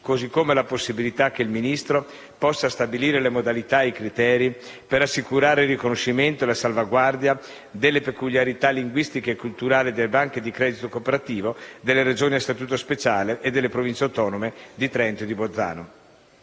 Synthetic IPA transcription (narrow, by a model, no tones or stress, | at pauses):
kozikːomelaposːibilit̪ak̟ːeilminist̪ɾo | pɔsːast̪abiliːɾelemod̪alit̪ajkɾit̪ɛːɾipeɾasːikuɾaːɾeilrːikonoʃːiment̪oelasalvaɡward̪ja | d̪elːepekuljaɾit̪alːiŋɡwist̪ikeːkːult̪uɾaːlid̪elːebaŋk̟ed̪ikɾɛd̪it̪okopeɾat̪iːvod̪elːeɾed͡ʒoːniast̪at̪uːt̪ospet͡ʃaːleʔːd̪elːepɾovint͡ʃeawt̪ɔːnomed̪it̪ɾɛnt̪od̪ibod̪zːa̰ːno